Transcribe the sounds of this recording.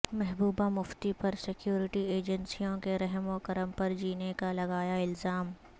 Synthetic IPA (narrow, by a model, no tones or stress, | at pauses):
mɛɦbuːbamʊft̪ipɐɾsɪkjuːɾɪʈieːd͡ʒənsijõkeɾɛɦmokɐɾəmpɐɾd͡ʒiːnekalɐɡaːjaɪlzaːm